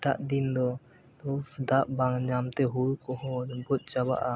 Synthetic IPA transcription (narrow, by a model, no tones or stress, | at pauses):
ʈaʔd̪ind̪ɔ | t̪ɔd̪aʔbaŋd͡ʒamt̪ɛɦuɽkɔɦɔbɔt̪̚t͡ʃaba̰ʔa